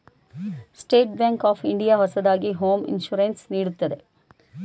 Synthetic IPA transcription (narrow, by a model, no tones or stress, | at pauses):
sʈeːʈbjaːŋkaːpʰiɳɖijaːɦɔsɐd̪aːɡiɦoːmḭnʃuːɾensniːɽut̪ːɐd̪e̞